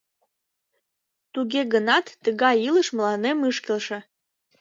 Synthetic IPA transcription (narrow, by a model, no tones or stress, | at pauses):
t̪uɣeɣənɑt̪ːəɣɑjiləʃməlɑnemɨʃkelʃĕ